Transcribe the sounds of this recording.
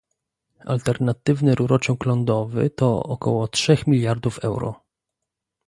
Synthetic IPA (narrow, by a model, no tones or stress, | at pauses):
a̰lt̪ɛɾnat̪ɘvnɘɾuɾɔt͡ʂɛ̃wklɔnd̪ɔvɘ̰t̪ɔɔ̰kɔwɔtʂɛxmʲilʲjaɾd̪ufɛwɾɔ̰